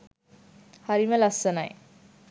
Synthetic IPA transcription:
hɐɾimɐlɐsɐnaj

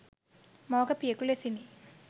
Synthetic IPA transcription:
mɔːɡɐpiɐkulesini

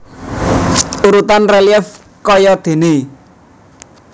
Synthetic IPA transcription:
uɾut̪anreljɛf | kɔjɔd̪̥e̤ne

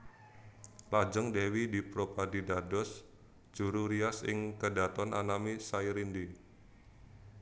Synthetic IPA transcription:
lad͡ʒəŋdewidipɾopadidadɔs | d͡ʒ̥uɾuɾiasɪ̰ŋkədat̪ɔnʔanamisaiɾindi

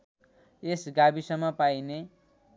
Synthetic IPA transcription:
esɡabisʌmːʌpajne

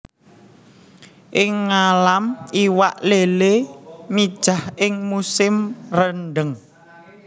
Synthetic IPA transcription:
ʔɪŋːalamʔiwaʔlelemid̥ʒ̥a̤hɪŋmusɪmrənɖəŋ

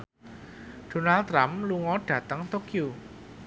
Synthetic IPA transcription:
ɖ̥o̤nalt̪ɾamluŋɔɖ̥ä̤t̪əŋt̪okju

